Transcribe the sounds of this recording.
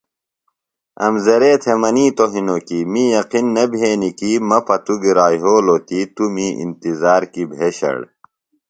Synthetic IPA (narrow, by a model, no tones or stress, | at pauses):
ɐmzɐɾeːt̪ʰemɐniːt̪oɦinokimijɐqinːɐbʱeːnikimɐpɐt̪uɡiɾaːjɦoːloːt̪it̪umiʔḭnt̪izaːɾkibʱeːɕɐ̰ɽ